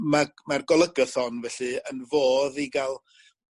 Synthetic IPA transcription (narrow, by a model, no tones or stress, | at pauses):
mamarɡɔlˠəɡəθɔnvɛɬɨənvoːðiɡalˠ